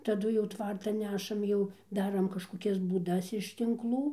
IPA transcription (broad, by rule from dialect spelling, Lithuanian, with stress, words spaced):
tɐˈdʊ jɛʊ ˈtʋɐrtɐn ˈnʲæːʃɐm ˈjɛʊ ˈdɑːrɐm kɐʃkoːˈkʲɛs buːˈdɐs ɪʃ tʲɪŋkˈlˠuː